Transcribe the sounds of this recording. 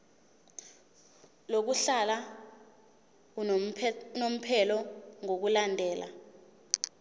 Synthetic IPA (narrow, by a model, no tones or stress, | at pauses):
lok̬uɬala | nom̩pʰɛlɔŋok̬ulandʱɛːlʔa̰